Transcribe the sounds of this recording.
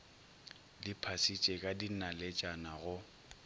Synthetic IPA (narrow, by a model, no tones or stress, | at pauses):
lɪpʰasit͡ʃʼekʼadinalet͡ʃʼanaɣʊ